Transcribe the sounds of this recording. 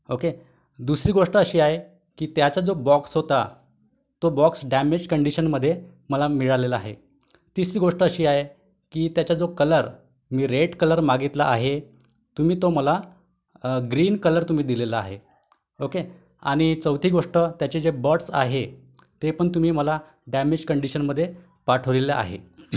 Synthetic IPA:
oke | d̪usɾiːɡoʂʈəːɕiːaɦe | kiːt̪jat͡sad͡zobɔksɦot̪a | t̪obɔksɖæmed͡ʑkəɳɖiɕənməd̪ʱːje | məlamiɭaleləaɦe | t̪isɾiːɡoʂʈəːɕiːaɦe | kiːt̪jat͡ɕad͡zokələɾ | miːɾeʈkələɾmaɡit̪laʔaɦe | t̪um̤iːt̪oməla | ɡɾiːnkələɾt̪um̤iːd̪ileləaɦe | oke | a̰ɽ̃it͡səwt̪ʰiːɡoʂʈət̪jat͡ɕed͡zebəʈsa̰ɦe | t̪epəɳt̪um̤iːməla | ɖæmed͡ʑkəɳɖiɕənməd̪ʱːje | paʈʰəʋɭiləʔa̰ɦḛ

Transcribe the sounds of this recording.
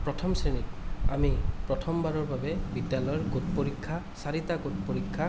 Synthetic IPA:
pɹɔtʰɔmsenita̰mipɹɔtʰɔmbaɾɔɹbabebidjalɔjɔɹɡot̚poɹikʰːa | saɾit̪aɡot̚poɾikʰːa

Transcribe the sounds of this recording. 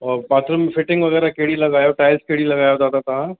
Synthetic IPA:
ɔːɾpaːt̪ɾomẽfʰɪʈɪ̃ŋɡʋɐɣɛːɾakeɦɽilɐɡaːjoʈaːɪlskeɦɽilɐɡaːjod̪aːt̪ʰat̪ɐʋ̤ã

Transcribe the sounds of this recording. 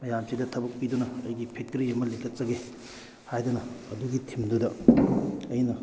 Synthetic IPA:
mɐjamsidɐtʰɐbɐk̚pidunɐɐjɡipʰek̚tɐɾiɐmɐlikʰɐt̚t͡ʃɐɡe | hajdunɐɐduɡitʰimdudɐ | ɐjnɐ

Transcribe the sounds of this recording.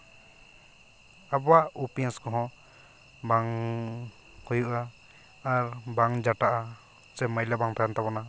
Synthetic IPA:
abɔwaʔupɛnskɔɦɔ̃ | baŋ | hujuʔaː | ɾbaŋd͡ʒaʈaʔa | t͡ʃɛmajlabaŋt̪ʰajant̪abɔna

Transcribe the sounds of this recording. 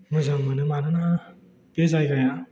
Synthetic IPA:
mɯzaŋmɯnɯmanɯna | pezajɡaja

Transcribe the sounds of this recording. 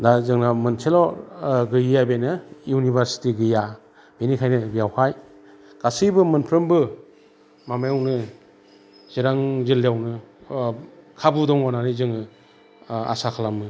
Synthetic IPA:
dazɯŋnamɯntʰelɔɡɯjjabenɯjunibʱaɾsi̥tiɡɯja | b̥enikʰajnɯbijawhaj | ɡ̥asijbɯmɯnpʰɾɯmbɯ | mamajawnɯ | z̥iɾaŋzilːeawnɯ | kʰabudɔŋɔnanizɯŋɯ | a̰sakʰalamɯ

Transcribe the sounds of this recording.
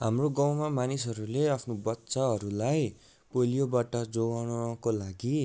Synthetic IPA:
ɦamroɡʌwmamanis̬ɦʌɾuleʌpʰnobʌtːsaɦʌɾulaj | polijobaʈʌd͡zowañʌkolaɡi

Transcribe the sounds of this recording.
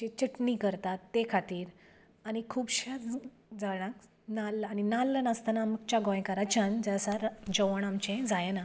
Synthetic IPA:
d͡ʑet͡ɕəʈnikəɾt̪at̪ːekʰat̪iːɾ | añikʰuːbɕə | d͡zaɽ̃ãk | nalaninalːənast̪anamkt͡ɕaɡɔ̃j̃kaɾat͡ɕãnd͡zasaɾd͡ʑəʋəɳamt͡ɕẽd͡zajena

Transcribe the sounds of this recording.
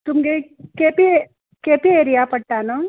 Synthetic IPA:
t̪ʊmɡekeːpie | keːpieːɾijapɐɽʈːaːnɐ

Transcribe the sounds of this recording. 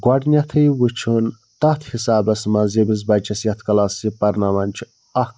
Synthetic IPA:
ɡʷɐɖnʲɐt̪ʰɨjwut͡ʃʰun | t̪ɐt̪ʰhisaːbɐsmɐzibiz̬bɐd͡ʒɐsjɐt̪ʰkɐlasipɐɾnamɐnʲt͡ʃʰ | ɐ

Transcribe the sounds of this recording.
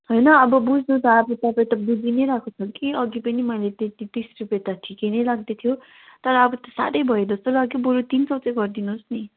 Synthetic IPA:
ɦojnʌːbʌbud͡znut͡sʰʌːbʌt̪ʌpãĩt̪ʌbud͡zinʌjɾakʰot͡sʰʌkiʌɡipʌnimʌjlet̪et̪it̪isrupjet̪aʈʰikenʌjlaɡ̚d̪et̪ʰijo | t̪ʌɾʌːbʌt̪ʌsa̰ɾʌjbʱʌjed͡zʌst̪olaɡjoboɾot̪int͡sʌwt͡sʌjɡʌrd̪inusni

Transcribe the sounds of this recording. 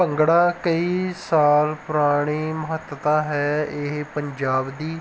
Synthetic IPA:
əŋɡɽaːkəiːsaːlpʊɾaːɽ̃eːməɦət̪ət̪ãːɦɛːɪɦpəɲd͡ʒaːbd̪iː

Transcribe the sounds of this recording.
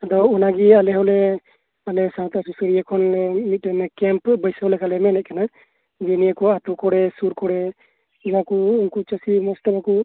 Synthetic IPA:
d̪ɔunaɡialɛɦɔlɛ | alɛsãt̪asusəɽijakʰɔnlɛmit̪̚ɾɛnɛkɛmpbəjsəɦɔlɛkalɛmɛnɛʔ̚kana | d͡ʒɛniakɔat̪ukɔɽɛsuɾkɔɽɛ | iɾakuunkut͡ʃəsimɔsʈabaku

